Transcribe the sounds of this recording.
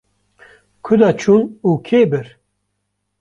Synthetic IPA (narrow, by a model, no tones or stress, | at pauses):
kʰʊd̪at͡ʃʰunuːkʰebɨɾ